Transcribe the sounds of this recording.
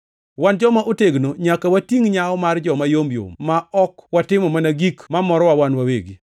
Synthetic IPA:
wand͡ʒɔmaʔoteɡnoɲakawatiŋɲaɔmard͡ʒɔmajombjo̰mmaɔkwatɪmɔmanaɡikmamɔɾɔwawanwaweɡi

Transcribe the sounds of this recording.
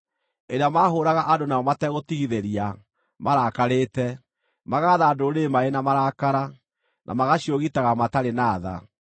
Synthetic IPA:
eɾeamaːɦoːɾaɣaʔadonaɔmatɛɣotiɣiðeɾia | maɾakaɾeːtɛ | maɣaːðaːdoɾemaenamaɾakaɾa | nʔa̰maɣaɕioɣitaɣamataɾenaːða̰

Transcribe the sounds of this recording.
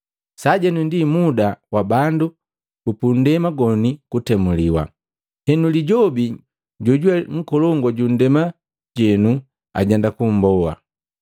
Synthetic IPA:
saɟɛnundimudawabandu | kupun̩dɛmaɡɔnikutɛmuliwa̰ | hɛnuliɟɔbi | ɟɔɟwɛŋ̩kɔlɔŋɡɔɟun̩dɛma | ɟɛnu | a̰ɟɛndakum̩bɔwa̰

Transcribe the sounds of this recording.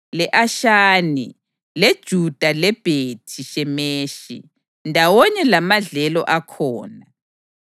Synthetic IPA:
lɛʔaʃaːni | led̥ʒ̥ʱud̥ʱalɛb̥ʱetʰiʃɛmeːʃḭ | ndʱawɔɲɛlamaɮɛlɔ̰ʔakʰɔːna

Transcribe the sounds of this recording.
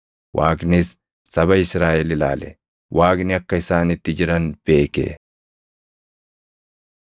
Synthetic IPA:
wʔaːknɪsː | ɐbɐɪsɾaːʔɛlɪla̰ːlɛ | wʔaːknɪɐkːɐɪsaːnɪt̪ːɪd͡ʒɪɾɐnb̥e̞ːkḛ

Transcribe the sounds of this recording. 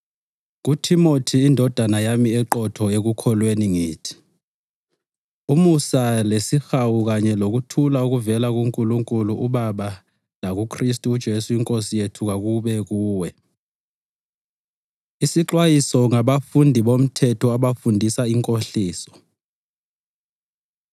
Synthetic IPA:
ɣutʰimotʰiːndʱɔd̥ʱanajamiɛǃɔtʰɔeɣukʰɔlweniŋiːtʰi̥ | umusalesixawuɣaɲɛloɣ̬utʰulauɣuvɛlaɣuŋkʼuluŋkʼuluʔuɓaɓa | laɣ̬ukʰristʼuːd̥ʒ̥ʱesuiŋkʼosijetʰuɣaɣuɓɛɣ̬uːwɛ | isiǁwajisɔŋaɓafundʱiɓom̩tʰɛtʰɔaɓafundʱisaiŋkʼoɬiːsɔ̥

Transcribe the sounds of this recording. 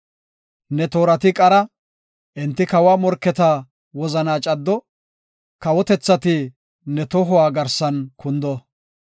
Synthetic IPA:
nɛt̪o̞ːɾɐt̪ɪkʼɐɾɐ | ʔɪnt̪ːɪkɐwaːmɔɾkːɛt̪aː | wɔzɐnaːt͡ʃʼɐd̪ːɔ | kɐwɔt̪ɛt͡sːɐt̪ɪ | nɛt̪ɔɦʊwaːɡɐɾsɐnkʊnd̪ɔ

